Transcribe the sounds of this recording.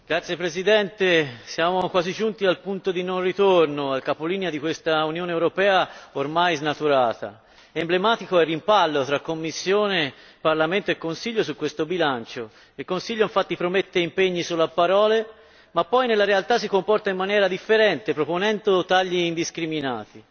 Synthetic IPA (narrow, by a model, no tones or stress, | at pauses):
ɡɾat̪sːjepɾezid̪ɛnt̪esjaːmokwaːzid͡ʒunt̪ialpunt̪od̪inonrit̪ornoalkapoliːnead̪ikwest̪aunjoːneːwɾopɛːaormajznat̪uɾaːt̪a̰ | emblemaːt̪ikoɛrːimpalːot̪ɾakːomːisːjoːne | parlament̪oekːonsiʎːosukːwest̪obilant͡ʃo | ilkonsiʎːoiɱfat̪ːipɾomet̪ːeimpeɲːisulapːaɾɔːle | mapːɔjnelːaɾealt̪as̬ːikompɔrt̪aimːanjɛːɾad̪ifːeɾɛnt̪epɾoponɛnd̪ot̪aʎːiːnd̪iskɾimina̰ːt̪i